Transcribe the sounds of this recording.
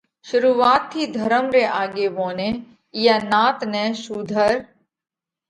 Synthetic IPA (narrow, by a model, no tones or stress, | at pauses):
ʃʊɾuːʋaːt̪ʰːid̪ʱɐɾəmɾeʔaːɡeːʋõːnẽ | janaːt̪nɛ̃ːʃuːd̪ʱəɾ